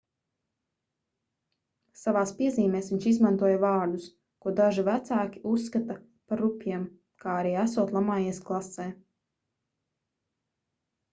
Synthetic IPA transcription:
savaːspiɛziːmɛːsʋiɲʲt͡ʃizmant̪uɔjavɑːɾd̪us | kuɔd̪aʒivæt̪saːkʲi̥ʔusːkat̪a | paɾupʲjiɛm | kaːaɾiːæsuɔt̪lˠamaːjiɛsklˠasɛː

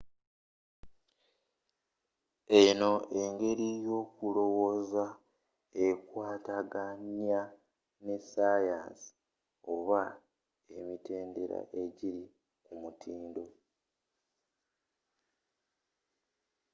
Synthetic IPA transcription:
e̞no̞e̞ŋɡe̞ɾijo̞ːkulo̞wo̞za | e̞kwaːtaɡanja | ne̞saja̰ːnsi̥ | oβa | e̞mitʰe̞ːnde̞ɾa̰ʔe̞ɟiɾi | kumutʰiːndo̞

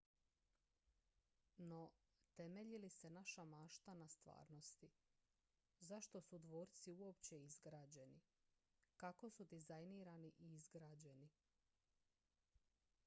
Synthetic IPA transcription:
no̞ | t̪e̞meʎilisenaʃamaːʃt̪anast̪ʋa̰ːɾno̞st̪i | zaʃt̪o̞sud̪ʋo̞ːɾt̪siuo̞pt͡ɕe̞izɡɾaːd͡ʑe̞ni | kako̞sud̪izajniːɾaniʔiizɡɾaːd͡ʑe̞ni

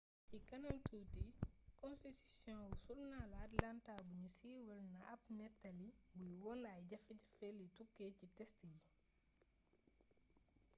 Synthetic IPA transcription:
cikɐnɐntuːtikɔ̃nstitisjɔ̃nwusulnalɐtlantabuɲusiːwɛlnɐʔɐpnɛtːɐlibujwɔnajɟɐfɛɟɐfelitukːecitɛstimu

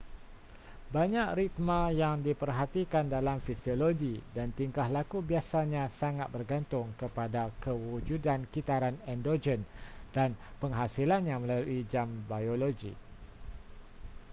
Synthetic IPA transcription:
baɲãk̚rit̪̚mãjaŋdipərɦat̪ikandalamfisioloɡidant̪iŋkahlakubiasaɲãsaŋat̪̚bərɡant̪ʊŋkəpadakəwud͡ʒudankit̪aɾanɛndod͡ʒɛnd̥anpəŋɦasilanɲãŋmə̃laluid͡ʒambajoloɡḭ

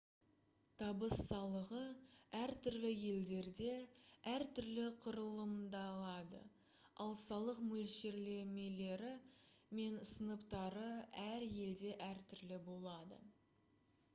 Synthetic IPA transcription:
t̪ʰɑbəsːɑlˠəʁəæɾt̪ʰʏɾlɪje̞ld̪e̞ɾd̪e̞æɾt̪ʰʏɾlɪqʰʊɾəlˠəmd̪ɑlˠɑd̪ə̰ | ɑlˠsɑlˠəqmɵlʃe̞ɾle̞me̞le̞ɾɪme̞nsənəpt̪ɑɾəæɾje̞ld̪e̞ʔæɾt̪ʰʏɾlɪbo̞lˠɑd̪ə̰

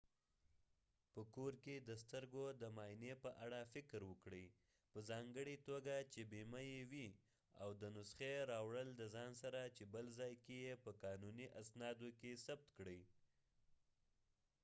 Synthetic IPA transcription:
pəkoɾked̪əst̪əɾɡod̪əmɑnepəʔaɽafɪkɾwəkɽəj | pəzɑŋɡəɽit̪oɡat͡ʃebemajewi | a̰wd̪ənʊsxeɾɑwɽəld̪əzɑnsaɾat͡ʃebəlzɑjkejepəkɑnuniʔasnɑd̪okesab̚t̪kɽəj

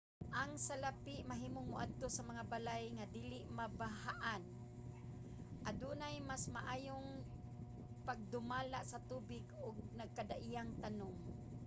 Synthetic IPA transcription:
ʔaŋsalapɪʔmaɦiːmoŋmʊʔa̰d̪̚t̪osamaŋabalajŋad̪iːlɪʔmabaɦaʔan | ʔad̪unajmasmaʔaːjoŋ | paɡ̚d̪ʊmaːlaʔsat̪uːbɪɡʊɡ̚naɡ̚kad̪aʔijaŋt̪anʊŋ

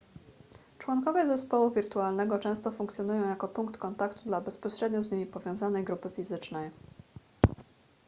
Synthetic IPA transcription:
t͡ʂwɔŋkɔvɛzɛspɔwuvʲiɾt̪ualnɛɡɔt͡ʂɛ̃w̃st̪ɔfuŋkt̪ʲjɔnujɔ̃w̃jakɔpuŋkt̪kɔnt̪akt̪ud̪labɛspɔɕɾɛd̪ɲɔzɲimʲipɔvʲjɔ̃w̃zanɛjɡɾupɘfʲizɘt͡ʂnɛj

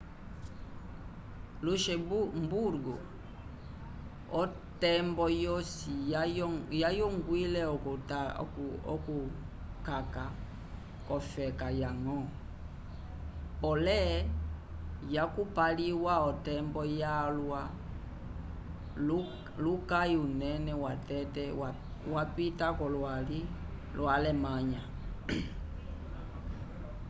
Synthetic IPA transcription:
luʃɛmbuɾɡu | ɔ | tɛmbɔjɔsi | jajɔŋɡwilɛɔt | ɔku | kaka | kɔfɛkajaŋɔ | pɔlɛ | jakupaliwaɔtɛmbɔjalwa | lukaiunɛnɛwatɛtɛwa | wapitakɔlwali | lwalɛmaɲa

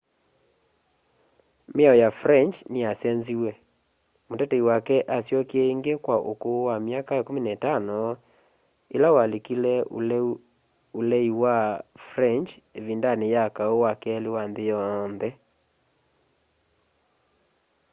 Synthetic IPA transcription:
meaɔjafɾɛnt͡ʃneasɛnziwɛ | motɛtɛiwakɛʔasjɔkeɛiŋɡekwaʔo̰kowamjakaekominaetanɔ | elawalekilɛ | olɛiwafɾɛnt͡ʃ | evindanejakaowakɛɛlewanðejɔnðɛ

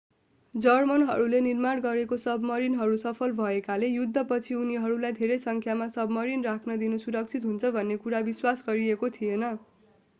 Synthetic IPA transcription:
d͡zʌrmʌnɦʌɾulenirmaɽɡʌɾekosʌbmʌɾinɦʌɾusʌpʰʌlbʱʌekalejud̪ʱːʌpʌt͡sʰiuniɦʌɾulajd̪ʱeɾʌjsʌŋkʰjamasʌbmʌɾinrakʰnʌd̪inusuɾʌk̚t͡sʰit̪ɦunt͡sʰʌbʱʌnːekuɾabiswasɡʌɾiekot̪ʰijenʌ

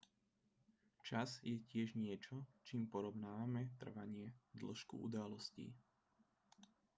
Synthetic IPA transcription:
t͡ʃazjɛcɪɛʒɲɪɛt͡ʃɔt͡ʃiːmpɔɾɔʊnaːʋamɛt̪r̩ʋaɲɪɛd̪l̩ʃkṵṵd̪alɔscḭ

